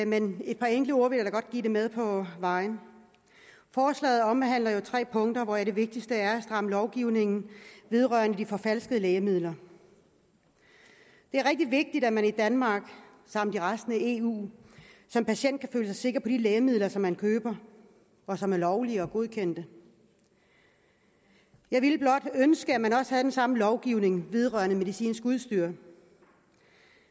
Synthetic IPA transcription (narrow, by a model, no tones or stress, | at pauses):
mene̝d̥̚pʰɑ̈eŋɡ̥l̩əo̝ɐʋe̝ljaɾɑɡ̥ɒ̽d̥̚ɡ̥ḭːde̝með̞ˠpʰɒ̽ʋɑ̈ɪn | fɒːslɛ̰ːð̞̩ˠɒ̽mɦæn̰lɐjo̝t͡sʰʁɛ̰ːpʰɔ̽ŋd̥ɐʋɒæd̥e̝ʋe̝ɡ̥̚d̥isd̥əæɐæsd̥ʁɑ̈məlɒʊɡ̥iʊne̝ŋn̩ʋe̝ð̞ˠʁɶɐnəd̥ifɒ̽fælsɡ̥əð̩ˠlɛːəmið̰ˠlɐ | d̥e̝æɐʁɛɡ̥̚d̥iʋe̝ɡ̥̚d̥id̥æmænid̥ænmɑ̈ːɡ̥ | sɑ̈m̰d̥iʁasd̥n̩æe̝ṵːsɒ̽mpʰæɕen̰d̥̚kʰæføːləsɑɪse̝ɡ̥ɐpʰɒ̽d̥ileːəmið̞̰ˠlɐsɒ̽mːænkʰøːb̥ɐ | ɒ̽sɒ̽mæɐlɒʊliəɒ̽ɡ̥o̝ð̞ˠkʰen̰d̥ə | jɑ̈ɪʋiləb̥lɒ̽d̥ønsɡ̥əæmænɒ̽sə̥hæð̩d̥ensɑ̈məlɒʊɡ̥iʊ̰ne̝ŋʋe̝ð̞ˠʁɶ̰ːɐnəme̝ð̞ˠisḭːnsɡ̥uð̞ˠsd̥yɐ̰